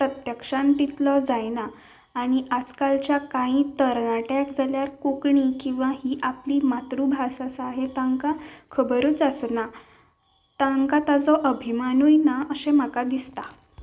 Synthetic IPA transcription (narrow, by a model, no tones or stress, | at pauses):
pɾət̪jəkʂãnt̪it̪lɔd͡zajnaː | ɽ̃iʔad͡zkalt͡ɕjakãɦĩt̪əɾnaʈakd͡zʱaljaɾkukɳikĩw̃ʋahiːʔapliːmat̪ɾubʱasasaɦet̪aŋkakʰəbəɾuːt͡səsna | t̪ãŋkat̪ad͡zɔʔəbʱimanujnaəsem̤akad̪ist̪a